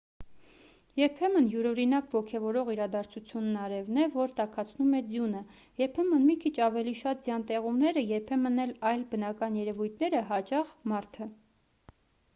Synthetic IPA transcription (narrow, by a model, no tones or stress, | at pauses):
jɛɾpʰɛmənjuɾɔɾinɑkvɔkʰɛvɔɾɔʁiɾɑd̪ɑɾt͡sʰut͡sʰjunːɑɾɛvnɛvɔɾt̪ɑkʰɑt͡sʰnumɛd͡zjunə | jɛɾpʰɛmənmikʰit͡ʃʰɑvɛliʃɑt̪̚d͡zjɑnt̪ɛʁumnɛɾəjɛɾpʰɛmənɛlɑjlbənɑkɑnjɛɾɛvujt̪ʰnɛɾəɦɑt͡ʃɑχmɑɾt̪ʰə